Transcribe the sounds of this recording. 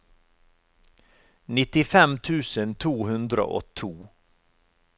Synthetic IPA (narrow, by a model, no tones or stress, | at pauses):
nɪt̪ɪfɛmt̪ʰʉːsənt̪ʰuːhʉnd̪ɾə̰ʔɔ̰t̪ʰuː